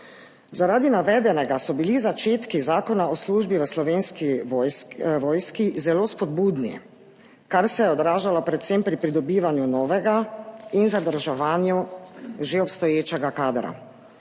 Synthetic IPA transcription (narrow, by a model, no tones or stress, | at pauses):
zaɾaːd̪inaʋɛːd̪ɛnɛɡasɔbilizat͡ʃeːt̪kizaːkɔnaɔsluːʒbiʋəslɔʋeːnski | ʋɔːjskizɛloːspɔd̪buːd̪nḭ | kaɾsɛjɛɔd̪ɾaːʒalɔpɾɛt̪sempɾipɾid̪ɔbiːʋanjunɔːʋɛɡainzad̪əɾʒɛʋaːnjuʒeɔpst̪ɔjeːt͡ʃɛɡakaːd̪ɾa̰